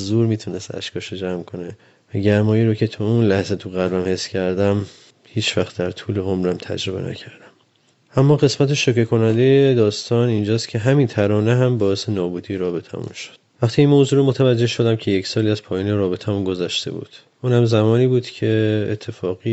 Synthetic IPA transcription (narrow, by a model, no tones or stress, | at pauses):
zuːɾmiːt̪ʰune̞st̪æ̰ʃkʰɒːʃod͡ʒæmkʰo̞ne | væɟæɾmɒːjiːɾocʰet̪ʰuunlæhzet̪ʰuɣæɾlæmhe̞sːcʰæɾd̪æm | hiːt͡ʃʰvæχt̪̚d̪æɾt̪ʰuːleɦomɾæmt̪ʰæ̰d͡ʒɾo̞bḛnæ̰cʰæɾd̪æm | ʔæmːɒːɣe̞smæt̪ʰeʃokekʰo̞nænd̪ejed̪ɒːst̪ʰɒːnind͡ʒɒːst̪cʲʰe̞ɦæmint̪ʰæɾɒːneɦæmbɒːese̞nɒːbuːd̪ijeɾɒːbe̞t̪ʰæ̰mṵnʃo̥d̪̥̚væxt̪ʰiinmoːzuːɾomot̪ʰævæd͡ʒːe̞hʃo̞d̪æmcʰe̞jecʰsɒːliːæz̥pʰɒːjiːneɾɒːbe̞t̪ʰæmunɡo̞zæʃt̪e̞̰bṵːd̪̥ | ʔunhæmzæmɒːniːbuːd̪̥cʰe̞ːt̪ʰːe̞fɒːɣi